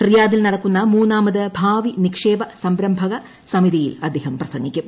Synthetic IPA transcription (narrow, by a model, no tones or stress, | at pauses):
hrijaːðilnɐɽɐkːunːɐmuːnːaːmɐðɨbʱaːʋinikʂeːbɐsɐmbɾɐmbʱɐɣɐ | sɐmiðijḭlɐd̪ʱːeːɦɐmprɐsɐŋɡːikʲːum